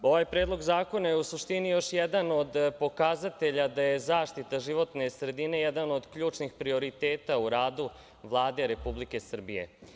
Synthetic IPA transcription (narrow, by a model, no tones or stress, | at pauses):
o̞ʋajpɾeːd̪lˠo̞ɡzaːko̞najeusuʂt̪inijo̞ʃjɛd̪ano̞d̪po̞kazat̪e̞ʎad̪ajezaːʂt̪it̪aʒiʋo̞t̪ne̞sɾe̞d̪ine̞jɛd̪ano̞d̪kʎuːt͡ʂnixpɾio̞ɾit̪eːt̪auɾaːd̪u | ʋlˠaːd̪e̞ɾe̞publike̞sr̩bije̞̰